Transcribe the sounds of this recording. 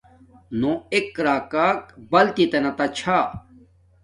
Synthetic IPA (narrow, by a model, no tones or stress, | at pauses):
nõekːɾaːkaːk̚bɐlt̪it̪enɐt̪ɐt͡ɕʰaː